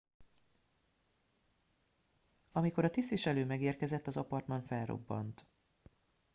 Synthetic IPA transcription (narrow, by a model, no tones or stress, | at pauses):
ɒmiko̞ɾɒt̪ist̪ʋiʃɛløːmɛɡeːrkɛzɛt̪ːɒzɒpɒrt̪mɒɱfɛlro̰bːɒ̰nt̪